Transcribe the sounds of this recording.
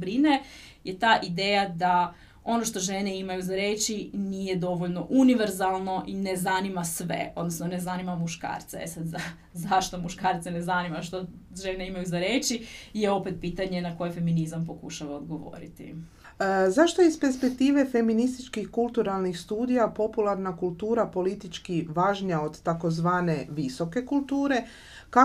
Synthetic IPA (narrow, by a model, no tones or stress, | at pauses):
bɾine | je̞t̪aːʔid̪eːjad̪a | o̞no̞ʃt̪o̞ʒe̞ne̞imajuzaɾe̞ːt͡ʃiniːje̞d̪o̞ʋoʎno̞ʔuniʋeɾzalˠno̞ʔinezanimasʋe̞̰o̞d̪no̞snone̞zanimamuʃka̰ːɾt̪seesad̪za | zaʃt̪o̞muʃkaːɾt̪senezanimaʃt̪o | ʒene̞imajuzaɾeːt͡ʃijeo̞pet̪̚piːt̪aɲenako̞jefe̞minizampo̞kuʃaʋaod̪ɡo̞ʋo̰ɾḭt̪ḭ | zaʃt̪o̞ispe̞ɾspe̞k̚t̪iːʋe̞fe̞minist̪it͡ʃkixkulˠt̪uɾalˠnixst̪uːd̪ijapo̞pulaɾnakulˠt̪uːɾapo̞lit̪it͡ʃkiʋaːʒɲao̞d̪t̪ako̞zʋaːne̞ʋiso̞ke̞kulˠt̪uːɾe̞ | ka